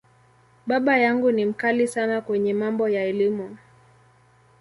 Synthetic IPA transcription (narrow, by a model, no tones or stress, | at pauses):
ɓaɓajaŋɡunim̩kalisanakwɛɲɛmambɔjaɛlimu